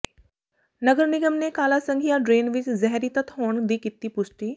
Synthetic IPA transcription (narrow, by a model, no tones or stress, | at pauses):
nəɡəɾniɡəmnekaːlasəŋɡʱjaɖɾeːnʋit͡ʃzɛɦɾit̪ət̪ɦoːɳd̪iːkit̪ːiːpusʈiː